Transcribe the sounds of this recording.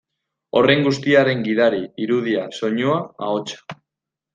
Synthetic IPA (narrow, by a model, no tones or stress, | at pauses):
o̞re̞ŋɡust̪iaɾe̞ŋɡiðaɾiiɾuð̞iaso̞ɲuaa̰o̞t͡ʃḁ